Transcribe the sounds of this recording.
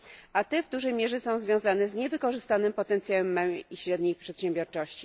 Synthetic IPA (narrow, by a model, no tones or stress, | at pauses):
ʔat̪ɛvd̪uʐɛjmʲjɛʐɛsɔ̃w̃zvʲjɔ̃w̃zanɛzɲɛvɘkɔʐɘst̪anɘmpɔt̪ɛnt̪sʲjawɛmːɛwiɕɾɛd̪ɲejpʂɛt̪ɕɛmbʲjɔɾt͡ʂɔɕt͡ɕi̥